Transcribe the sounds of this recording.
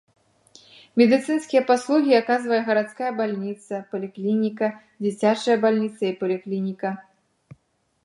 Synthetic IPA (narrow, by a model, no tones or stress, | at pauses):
mʲɛd̪ɨt̪sɨnskʲijɐpaslˠuɣʲiakazvɐjɛɣɐɾat̪skajɐbalʲnʲit̪sɐpɐlʲiklʲinʲikɐ | d͡zʲit͡sʲat͡ʂɐjɐbalʲnʲit̪sɐipɐlʲiklʲinʲikɐ